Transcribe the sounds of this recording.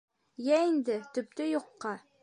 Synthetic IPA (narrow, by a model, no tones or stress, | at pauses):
jæind̪ɘt̪ɵ̆p̚t̪ɘjŏqːɑ